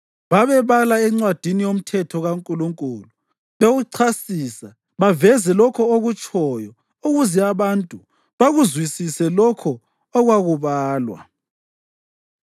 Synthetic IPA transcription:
βaβɛβalaɛŋ͡ǀwad̥ʱinijom̩tʰɛtʰɔɣaŋkʼuluŋkʼuːlu | βeɣuǀʰasiːsa | βavɛzɛlɔkʰɔoɣut͡ʃʼɔjɔ | uɣuzɛaβantʼu | βaɣuzwisisɛlɔkʰɔː | ɣwaɣuβaːlwa̰

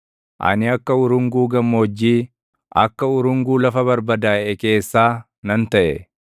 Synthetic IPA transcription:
ʔɐ̰nɪɐkːɐʊɾʊŋɡuːɡɐmːoːd͡ʒːiː | ʔɐ̰kːɐʊɾʊŋɡuːlɐfɐβɐɾbɐd̪aːʔɛke̞ːsːaː | nɐnt̪ɐʔɛ̰

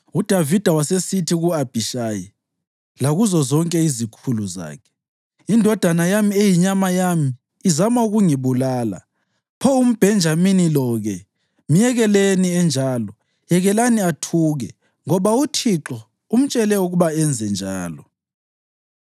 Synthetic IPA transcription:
ud̥ʱavid̥ʱawasesitʰiɣuab̥ʱiʃaːji | laɣuzɔzɔŋkʼɛizikʰuluza̰ːkʰɛ̥ | indʱɔd̥ʱanajamiejiɲamajamiː | zamauɣuŋiβulaːla̰ | pʰɔum̩b̥ʱɛnd͡ʒʱaminilɔɣɛ | m̩jɛɣɛleniɛnd͡ʒʱaːlɔ | jɛɣɛlaniatʰuːɣɛ | ŋɔβautʰiǁɔ | um̩t͡ʃʼɛlɛuɣuβaɛnd͡zʱɛnd͡ʒʱaːlɔ

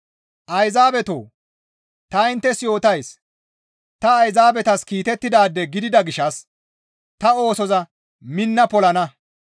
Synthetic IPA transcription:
ʔɐjzaːbɛt̪o̰ː | t̪ɐɪnt̪ːɛsjo̞ːt̪ɐjs | t̪ɐːjzaːbɛt̪ɐskiːt̪ɛt̪ːɪd̪aːd̪ːɛɡɪd̪ɪd̪ɐɡɪʃɐs | t̪ɐo̞ːsɔzɐ | mɪnːɐpɔlɐnɐ

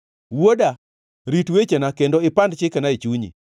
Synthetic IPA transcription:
woda | ɾitwet͡ʃenakendoɪpandt͡ʃɪkanait͡ʃuɲḭ

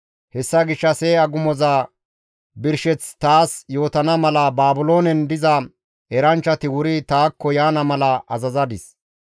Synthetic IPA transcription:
hɛsːɐɡɪʃːɐseːɐɡʊmɔzaː | bɪɾʃɛt͡st̪aːsjo̞ːt̪ɐnɐmɐlɐbaːbʊlo̞ːnɛnd̪ɪzɐ | ɛɾɐnt͡ʃːɐt̪ɪwʊɾɪt̪aːkːɔjaːnɐmɐlɐʔɐzɐzɐd̪ɪs

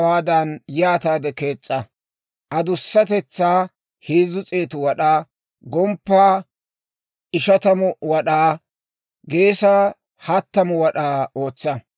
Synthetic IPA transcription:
waːd̪ɐnjaːt̪aːd̪ɛke̞ːt͡sʼːɐ | ʔɐd̪ʊsːɐt̪ɛt͡sːaː | heːzʊt͡sʼeːt̪ʊwɐɗaː | ɡɔmpːaː | ɪʃɐt̪ɐmʊwɐɗaː | ɡe̞ːsaː | hɐt̪ːɐmʊwɐɗaːo̞ːt͡sːɐ

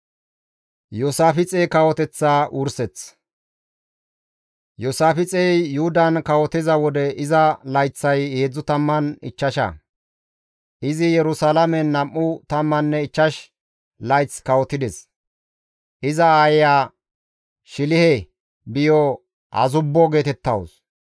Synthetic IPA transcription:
jusaːfɪt͡sʼeːkɐwɔt̪ɛt͡sːaːʔʊɾsɛt͡s | jɔsaːfɪt͡sʼɛjjʊhʊd̪ɐnkɐwɔt̪ɪzɐwɔd̪ɛʔɪzɐlɐjt͡sːɐjeːd͡zːʊt̪ɐmːɐnɪ̰t͡ʃːɐʃɐ̰ | ʔɪzɪjɛɾʊsalɐmɛnːɐmːʊt̪ɐmːɐnːɛɪt͡ʃːɐʃ | lɐjt͡skɐwɔt̪ɪd̪ɛs | ʔɪzɐaːjjaː | ʃɪlɪhɛ | bɪjɔ | hɐ̰zʊbːɔɡe̞ːt̪ɛt̪ːɐ̰ws

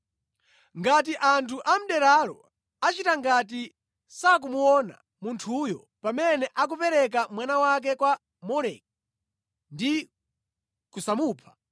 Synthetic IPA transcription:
ŋɡatiʔantʰuʔam̩ɗɛɾaɾɔ̰ | at͡ʃitaŋɡat̬i | sak̬umuɔna̰ | muntʰujɔ̰ | pamɛnɛʔak̬upɛɾɛk̬amwanawak̬ɛkwa | mɔɾɛk̚ | ndi | kusamuːpʰḁ

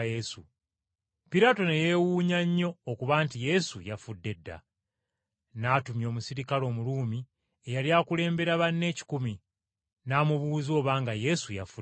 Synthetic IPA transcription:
jesṵ | piɾaːtonejewuːɲaɲːo̞ːkuβaːntije̞sujafudːe̞dːa̰ | naːtumjo̞ːmusiɾikalo̞ːmuluːmi | e̞jaljaːkule̞ːmbe̞ɾaβanːe̞ːci̥kumi | naːmuβuːzo̞ːβaːŋɡaje̞sujafu

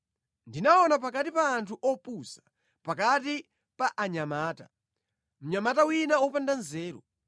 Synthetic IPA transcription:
ndinaɔnap̬akatipaːntʰuʔɔpusḁ | pakati | paʔaɲamaːta | m̩ɲamatawinawɔpandanzɛːɾɔ

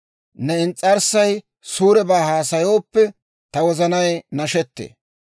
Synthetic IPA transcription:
nɛɪnt͡sʼːɐɾsɐj | suːɾɛbaːhaːsɐjo̞ːpːɛ | t̪ɐwɔzɐnɐjnɐʃɛt̪ːḛː

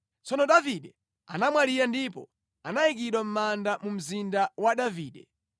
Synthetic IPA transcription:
t͡sɔnɔɗaviɗɛ | anamwaliɾandipɔ̰ | anajik̬iɗwam̩mandamum̩zindawaɗaviːɗɛ

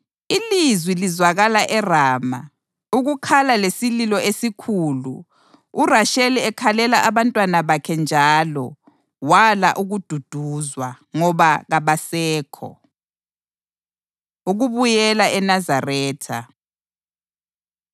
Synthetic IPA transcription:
ilizwilizwaɣalaʔɛraːma̰ | uɣukʰalalesililɔesikʰulṵː | raʃɛlɛɛkʰalɛlaʔaβantʼwanaβakʰɛnd͡ʒʱaːlɔ | wala̰ʔuɣud̥ʱud̥ʱuzwa | ŋɔβaɣaβasɛːkʰɔ̰ | uɣuβujɛlaʔɛnazarɛːtʰa

